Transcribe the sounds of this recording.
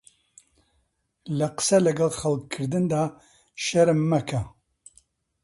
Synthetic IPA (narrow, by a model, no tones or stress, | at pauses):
lɐqə̥sɐlɐɡɐlχɐlkʰːɨɾd̪ɨnd̪aː | ʃɐɾɨmːɐkʰɐ